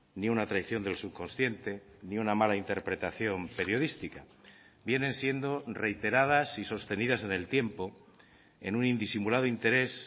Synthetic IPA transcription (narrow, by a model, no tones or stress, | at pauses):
niunat̪ɾaiθjo̞nd̪elsuβko̞nsθje̞nt̪e̞ | niunamalaint̪e̞ɾpɾe̞t̪aθjo̞mpe̞ɾjo̞ð̞ist̪ika | bje̞nẽ̞nsje̞nd̪o̞re̞jt̪e̞ɾað̞asiso̞st̪e̞nið̞ase̞ne̞lt̪je̞mpo̞ | e̞̰nunind̪isimulað̞oint̪e̞ɾe̞s